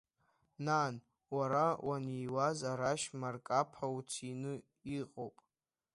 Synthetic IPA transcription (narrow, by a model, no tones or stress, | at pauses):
naːn | waɾawʔanijwazaɾaʃmarkʼapʰaut͡sʰinɨ | iqʼowpʼ